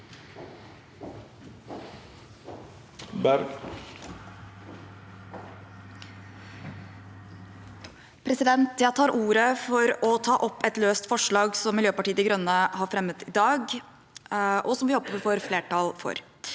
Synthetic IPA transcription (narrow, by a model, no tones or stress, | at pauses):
bæɾɡ | pʰɾɛsɪd̪ɛnt̪jæt̪ʰɑːɾʔuːɾəfɔɾɔt̪ʰɑːʔɔpːɛt̪løːst̪fɔʂɭɑːɡsɔmːɪljøːpɑʈiːəd̪ɪɡɾœnːəhɑːɾfɾɛmːət̪ɪd̪ɑːɡ | ʔɔsɔmʋɪjɔpːəɪfoːɾfleːʈɑlfɔ̰ɾ